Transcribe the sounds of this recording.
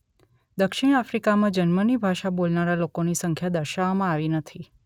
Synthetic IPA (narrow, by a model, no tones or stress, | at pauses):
d̪əkʃɪɽ̃afɾikamãd͡ʒənmənibʱaʃabolnaɾalokonisəŋkʰjad̪əɾʃaʋmãaʋinət̪ʰi